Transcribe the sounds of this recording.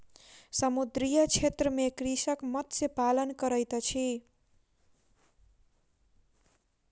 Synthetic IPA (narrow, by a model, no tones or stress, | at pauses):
sʌmud̪ɾijʌt͡ʃʰet̪ɾəmekɾisʌkmʌt̪sepalʌnkʌɾʌjt̪ʌt͡ʃʰi